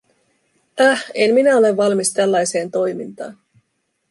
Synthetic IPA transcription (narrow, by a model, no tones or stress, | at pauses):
æhe̞mminæo̞le̞ʋːɑlmist̪ælːɑjse̞ːnt̪o̞jmint̪ɑ̰ːn